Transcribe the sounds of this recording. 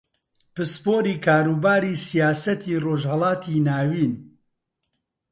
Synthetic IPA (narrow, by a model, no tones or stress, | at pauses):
pɨspoːɾiːkʰaːɾuːbaːɾisijaːsɐt̪ʰiːroːʒhɐlˠɑːt̪ʰiːnaːwiːn